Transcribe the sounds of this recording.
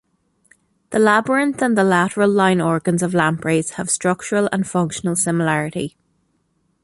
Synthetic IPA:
ðəlabəɹə̃ntə̃nðəlaɾəɹəllãɪ̃nɔɹɡə̃nzəvlãmpɹeɪz̥həv̥stɹ̥ʌk̚t͡ʃəɹələ̰̃nfʌ̃ŋkʃənəlˠsɪməlaɹɪti

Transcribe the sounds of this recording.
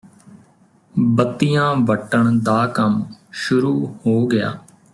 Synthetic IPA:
bət̪ːijãːʋəʈːəɳd̪aːkəmʃʊɾuːhoːɡɪja̰ː

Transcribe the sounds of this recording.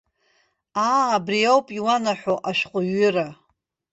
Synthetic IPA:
aːbriawpʼiwanaħoʔaʃqʷʼʊɥʏra

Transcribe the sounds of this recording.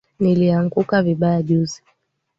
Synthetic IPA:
niliaŋɡukaviɓajaʄuzi

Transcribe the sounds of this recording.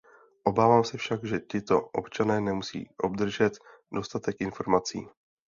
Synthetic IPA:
ʔo̞baːvaːmsɛfʃaɡʒɛcɪt̪o̞ʔo̞̰pt͡ʃanɛːnɛmusḭːʔo̞b̚d̪r̩ʒɛt̪ | do̞st̪at̪ɛkʔɪnfo̞ɾmat͡sḭː

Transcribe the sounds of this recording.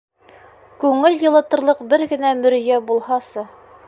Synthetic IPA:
kʉŋɘljɤ̆lˠɤ̆t̪ɤ̆ɾlˠɤqbɘɾɡɘ̆næmɵ̆ɾ̆jæbulˠhɑsɤ

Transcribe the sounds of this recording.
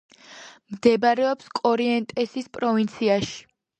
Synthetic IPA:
md̪ɛbaɾɛɔpskʼɔɾiɛnt̪ʼɛsispʼɾɔvint̪sʰiaʃi̥

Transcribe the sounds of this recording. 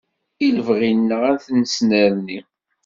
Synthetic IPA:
iləvʁinːəʁæθnəsnæɾni

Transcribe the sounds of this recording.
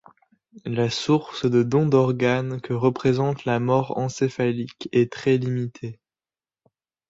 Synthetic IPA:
lasuʁsd̪əd̪ɔ̃d̪ɔʁɡankəʁəpχezɑ̃t̪lamɔʁɑ̰̃sefalikɛt̪χɛlimit̪ʰe

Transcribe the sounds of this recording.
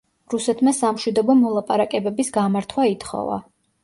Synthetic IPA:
ɾusɛt̪ʰmasamʃwid̪ɔbɔmɔlˠapʼaɾakʼɛbɛbisɡamaɾt̪ʰwait̪ʰχɔ̰va̰

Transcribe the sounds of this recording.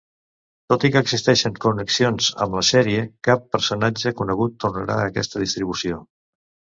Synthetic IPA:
t̪ot̪ikəːɡzist̪ɛʃəŋkunəksionzə̰mləsɛɾiəkapːəɾsunad͡ʒəkunəɣ̞ut̪ːurnəɾa̰əkɛst̪əðist̪ɾiβ̞usio

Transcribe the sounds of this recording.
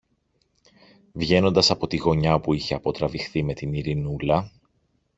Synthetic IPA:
vʝe̞no̞nd̪ɐsɐpo̞t̪iɣo̞ɲɐpuiçe̞ɐpo̞t̪ɾɐvixθime̞t̪iniɾinulɐ

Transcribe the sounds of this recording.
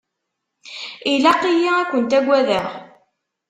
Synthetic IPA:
ilæqijiækʷːənt̪æɡʷæðəʁ

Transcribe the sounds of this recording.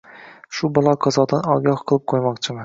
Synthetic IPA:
ʃʊbɒlˠɒqʰɒzɒd̪anɒɡʲɒhqʰɨlˠɪp̚qʰojmɒqt͡ʃʰɪmɪ

